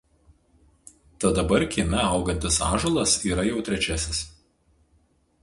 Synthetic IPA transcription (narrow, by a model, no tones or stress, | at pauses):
t̪ɐd̪ɐbɐɾkʲiːmʲɛɐʊɡɐnʲt̪ʲɪsɑ̰ːʒolˠɐsiːɾɐjɛʊt̪ʲɾʲɛt͡ʃʲɛsʲɪs